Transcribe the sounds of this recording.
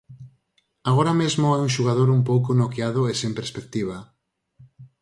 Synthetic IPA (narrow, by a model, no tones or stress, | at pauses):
aɣoɾamezmoajũŋʃuɣaðoɾumpowkonokjaðʊesempeɾspek̚t̪iβ̞a